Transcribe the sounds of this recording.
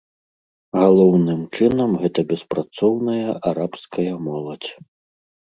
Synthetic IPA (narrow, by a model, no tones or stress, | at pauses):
ɣalˠɔwnɨmt͡ʂɨnɐmɣɛt̪ɐbʲɛspɾat̪sɔwnɐjɐʔaɾapskɐjɐmɔlˠɐt͡sʲ